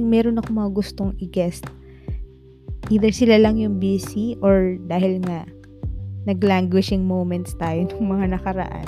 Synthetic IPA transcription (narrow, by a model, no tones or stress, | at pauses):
ŋmɛːɾo̞nɐkomɐŋaɡʊst̪o̞ŋʔɪɡɛst̪̚ | ʔiːd̪ɛɹsɪlalɐŋjʊŋbisiʔoɹd̪aːhɪlŋɐ | nɐɡlaŋɡwɪʃɪŋmowmɛnt̪st̪aːjo̞nʊŋmɐŋanɐkɐɾɐ̰ʔa̰n